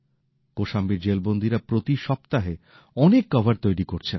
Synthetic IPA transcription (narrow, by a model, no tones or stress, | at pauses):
koʃambiɾd͡ʑelbond̪ʱiɾapɾot̪iʃɔp̚t̪aɦe | ɔnekːɔbʱaɾt̪ojɾikoɾt͡ɕʰen